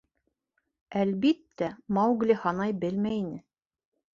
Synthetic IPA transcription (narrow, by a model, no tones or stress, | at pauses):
ælbit̪ːæmɑwɡlʲɘhɑnɑjbɘlmæjinɘ